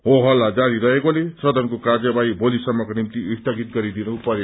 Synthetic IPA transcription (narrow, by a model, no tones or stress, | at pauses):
ɦoɦʌlːad͡ʒaɾiɾʌɦekolesʌd̪ʱʌnkokad͡ʒʌbajbolisʌmːɔkonimt̪iist̪ʌɡit̪ɡʌɾid̪inɔpʌɾe